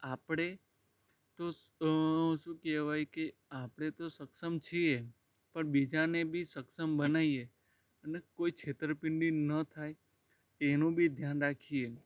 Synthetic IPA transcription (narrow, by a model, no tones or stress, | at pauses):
apɽ̃e | t̪o | ʃũkeʋajkeapɽ̃et̪osəksəmt͡ʃʰie | pəɳbid͡ʒanebʱisəksəmbənaie | ənekoikʰet̪ɾəpɪɳɖinət̪ʰaj | enũbʱid̪ʱjanɾakʰie